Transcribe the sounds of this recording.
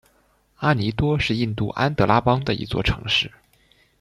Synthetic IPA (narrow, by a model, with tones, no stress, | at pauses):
a˥ni˧˥t̪wɔ˥ʂɻ̩˥˧i˥˧nt̪u˥˩ʔa˥nt̪ɤ˧˥la˥pɑ˥ŋd̪ə˨ḭ˧˥t͡swɔ̰˥˩ʈ͡ʂʰɤ̰˧˥ŋʂɻ̩˥˩